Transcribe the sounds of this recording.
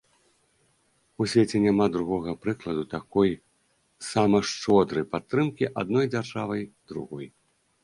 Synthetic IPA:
usʲvʲet͡sʲɛnʲamad̪ɾuɣɔɣɐpɾɨklˠɐd̪ut̪akɔj | samɐʂt͡ʂɔd̪ɾɐjpat̪ːɾɨmkʲiʔa̰d̪̚nɔjd͡zʲarʐavɐjd̪ɾṵɣɔj

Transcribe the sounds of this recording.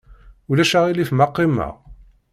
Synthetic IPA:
ulæʃaʁilifmɑqːimːa̰ʁ

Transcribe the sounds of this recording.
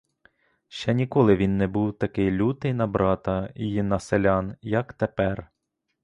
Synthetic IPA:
ʃt͡ʃɛnʲikɔlˠɪʋʲinːɛbuwt̪ɐkɪjlʲut̪ɪjnɐbɾɑt̪ɐiinɐselʲɑnjɐkt̪epɛr

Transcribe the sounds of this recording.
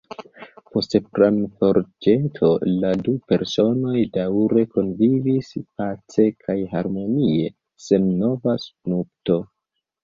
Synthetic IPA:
po̞stepɾanfo̞ɾd͡ʒetʰo̞ladupe̞ɾso̞no̞jdawɾe̞ko̞nvivispat͡se̞kʰajɦaɾmo̞nie̞ | se̞nno̞vasupnup̚to̞

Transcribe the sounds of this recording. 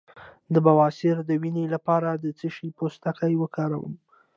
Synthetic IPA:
d̪əbawɑsɪɾd̪əwinelapɑɾad̪ət͡səʃipost̪akajwəkɑɾawə̰m

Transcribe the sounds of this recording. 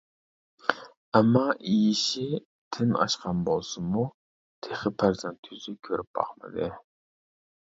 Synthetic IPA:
ɛmːɑʔijiʃi | t̪ʰɪnɑ̰ʃqʰɑnbolˠsumu | t̪ʰeχəpʰæɾzɛnt̪ʰyzɪkʲʰøɾyp̚bɑ̰χmə̰d̪ɨ

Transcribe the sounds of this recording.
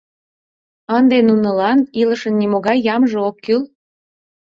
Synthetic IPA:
ɑnd̪enunəlɑniləʃənːimoɣɑjːɑmʒeokːyl

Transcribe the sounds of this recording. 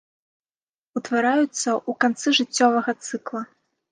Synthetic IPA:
ut̪vaɾajut̪sːɐʔukant̪sɨʐɨt͡sʲːɔvɐɣɐt̪sɨklˠɐ

